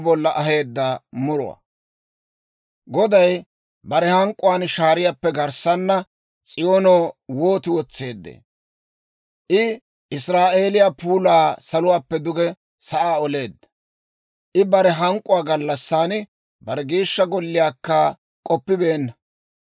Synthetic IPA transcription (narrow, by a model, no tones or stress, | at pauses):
bɔlːɐʔɐɦe̞ːd̪ːɐmʊɾʊ̰wa̰ | ɡɔd̪ɐj | bɐɾɛhɐŋkʼːʊwaːnʃaːɾɪjapːɛɡɐɾsɐnːɐ | t͡sʼɪjo̞ːnoːwo̞ːt̪ɪwɔt͡sːe̞ːd̪ːḛː | ʔɪ | ʔɪsɾaːʔe̞ːlɪjapuːlaːsɐlʊwaːpːɛd̪ʊɡɛ | sɐʔaːɔle̞ːd̪ːɐ̥ | ʔɪbɐɾɛɦɐŋkʼːʊwaːɡɐlːɐsːaːnɪ | bɐɾɛɡiːʃːɐɡɔlːɪjaːkːɐ | kʼɔpːɪbe̞ːnːɐ